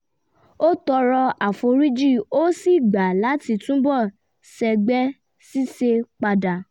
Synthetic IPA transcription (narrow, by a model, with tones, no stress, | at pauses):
o˦tɔ˧ɾɔ˧a˨fo˧ɾi˦d͡ʒi˦˨o˦si˦˨ɡ͡ba˨la˨˦ti˧tũ˦bɔ˦˨ | sɛ˧ɡ͡bɛ˦ | si˦se˧k͡pa˧da˨